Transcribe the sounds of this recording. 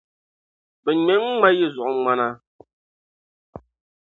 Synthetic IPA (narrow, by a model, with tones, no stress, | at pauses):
bɛ˨ɲɛ˨˦ŋ˦a˦je˦˨zɔ˨ʔo˦ŋ͡ma˦na˦